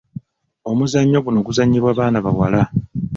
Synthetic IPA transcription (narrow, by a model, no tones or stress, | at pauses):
o̞muzaɲːo̞ɡuno̞ɡuzaɲːiβwaːβaːnaβawa̰la